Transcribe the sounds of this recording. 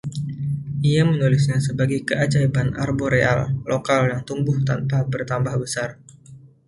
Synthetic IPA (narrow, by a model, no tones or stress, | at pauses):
ʔiamənulɪsɲasəbaɡajkəʔat͡ʃaibana̰rboɾeʔa̰lːokaljaŋt̪umbʊht̪anpabərt̪ambahbəsar